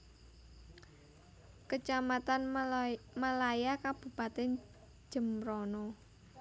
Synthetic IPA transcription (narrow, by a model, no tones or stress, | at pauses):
kət͡ʃamat̪an | malajakab̥ṳpat̪ɛn̥ | d͡ʒ̥ə̤mɾɔnɔ